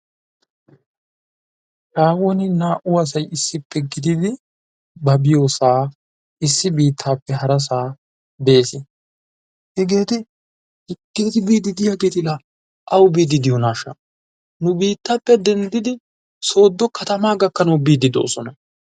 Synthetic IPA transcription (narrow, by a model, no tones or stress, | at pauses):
ʃaːwonɪnaːʔʊwɐs̬ɐjɪsːɪpːɛɡɪd̪ɪd̪ɪ | bɐbɪjo̞ːsaː | ɪsːɪbiːt̪ʰːaːpːɛɦɐɾɐs̬aː | be̞ːsɪ | hɛɡe̞ːt̪ɪ | hɪɡeːt̪ɪbiːd̪ɪd̪ɪjaːɡeːt̪ɪla | ʔɐwbiːd̪ɪd̪ɪjɔnaːʃɐ | nʊbiːt̪ːaːpːɛd̪ɛnd̪ɪd̪ɪ | so̞ːd̪ːɔkɐt̪ɐmaːɡɐkːɐnɐwbiːd̪ɪd̪o̰ːsɔnɐ